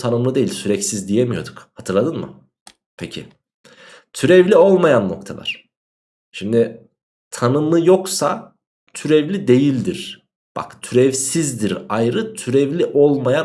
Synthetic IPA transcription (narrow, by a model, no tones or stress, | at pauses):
t̪ʰanɯmlˠɯd̪ejilʲsyɾɛcsizd̪ijemijo̞d̪ukhat̪ʰɯɾlˠad̪ɯnmɯ̰ | pʰecʰḭ | t̪ʰyɾɛvlʲio̞lˠmajanːo̞̰k̚t̪ʰalˠa̰ɾ̝̥ | ʃimd̪ɪ | t̪ʰanɯmɯjo̞ksa | t̪ʰyɾɛvlʲid̪e̞jilʲd̪iɾ̥ | b̥a̰kt̪ʰyɾɛvsizd̪iɾajɾɯt̪ʰyɾɛvlʲiʔo̞lˠmaja